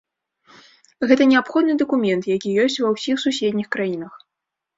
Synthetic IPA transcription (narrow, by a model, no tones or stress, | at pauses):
ɣɛt̪ɐnʲɛapxɔd̪nɨd̪ɐkumʲɛnt̪jakʲijɔsʲt͡sʲvɐwsʲixsusʲɛd̪ʲnʲixkɾajin̪ɐx